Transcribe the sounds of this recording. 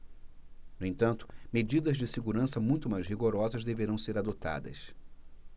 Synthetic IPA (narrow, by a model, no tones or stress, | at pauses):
nʊẽnt̪ɐ̃nt̪ʊ̥med͡ʒid̪ɐzd͡ʒɪseɡuɾɐ̃sɐmũj̃t̪ʊmajzɦiɡoɾɔzɐzd̪eveɾɐ̃w̃seɾad̪ot̪a̰d̪ɐ̰s